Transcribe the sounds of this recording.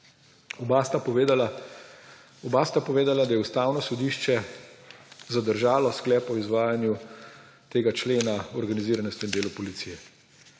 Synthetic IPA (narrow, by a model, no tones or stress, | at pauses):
bast̪a | ɔbast̪apɔʋeːd̪alad̪ajɛust̪aːwnɔsɔd̪iːʃt͡ʃɛ | zad̪əɾʒaːlɔsklɛːpɔizʋaːjanju | t̪eːɡat͡ʃleːnaɔɾɡaniziːɾanɔst̪ɔind̪eːlɔpɔlit̪siːjɛ